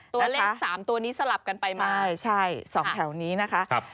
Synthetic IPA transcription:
nt̪u˧a˥leː˥ak̚saː˩˦mt̪u˧ɐniː˦˥sa˧la˨˩p̚ka˧npa˧jmaaː˥˩jt͡ɕʰa˥˩jsɔː˩˦ɛ˨˩˦wniː˦˥na˦˥kʰa˦˥ʔ

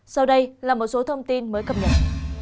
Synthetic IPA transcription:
sa˧wɗə˧jlaː˨˩mo˨˩t̚so˨˦t̪ʰə˧wŋ͡mt̪i˧nməː˨˦jkə˨˧˩p̚ɲə̰˧˨n

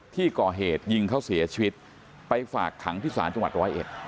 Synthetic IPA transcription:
t̪ʰiː˥˩kɔː˨˩ɦeː˨˩t̪̚ji˧ŋkʰa˥˩wsi˩˦t͡ɕʰi˧wi˦˥t̪̚ | pa˧jfaː˨˩kʰːa˩˦ŋt̪ʰiː˥˩sa̰ː˩˦nt͡ɕa˧ŋwa˨˩t̪̚ɾɔː˦˥jʔḛ˨˩t̪̚

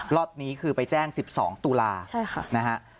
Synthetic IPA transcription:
lɔ˦˩t̪̚niː˦˥kʰɯː˧pa˧jt͡ɕɛː˥˩ŋsi˨˩p̚sɔ̰ː˩˦ŋt̪uː˧laː˧t͡ɕʰa˥˩jxʰa˥˩na˦˥kʰa˦˥ʔ

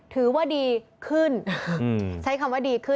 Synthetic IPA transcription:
t̪ʰɯː˩˦waː˥˩diː˧kʰɯ˥˩n | t͡ɕʰa˦˥jkʰa˧mwaː˥˩diː˧kʰɯ˥˩

